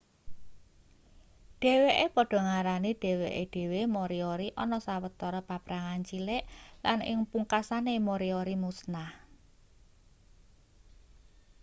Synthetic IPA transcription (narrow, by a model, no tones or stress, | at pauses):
ɖ̥e̤weʔepɔɖ̥ɔ̤ŋaɾaniɖ̥e̤weʔeɖ̥e̤wemoɾioɾiʔɔnɔsawət̪ːɔɾɔpapɾaŋant͡ʃileʔlanɪ̰ŋpuŋkasanemoɾioɾimusnah